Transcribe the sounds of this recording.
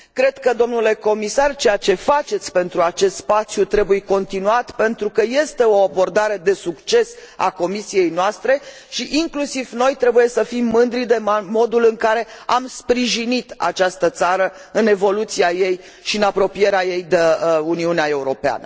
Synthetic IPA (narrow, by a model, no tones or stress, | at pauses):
kɾe̞d̪̥kəd̪o̞mnule̞ko̞misart͡ʃe̞jat͡ʃe̞fat͡ʃe̞t̪sʲpe̞nt̪ɾuat͡ʃe̞st̪spat̪sjut̪ɾe̞buje̞ko̞nt̪inuat̪pe̞nt̪ɾukəje̞st̪e̞o̞abo̞rd̪aɾe̞d̪e̞sukt͡ʃe̞sa̰ko̞misije̞jnoast̪ɾe̞ | ʃiʔiŋklusivno̞jt̪ɾe̞buje̞səfimːɨnd̪ɾid̪e̞mo̞d̪ulɨŋkaɾe̞amspɾiʒinit̪a̰t͡ʃast̪ət̪saɾə | ɨne̞vo̞lut̪siaje̞j | ʃiɨnapɾo̞pije̞ɾeaje̞jd̪euniuneae̞uɾo̞pea̰nə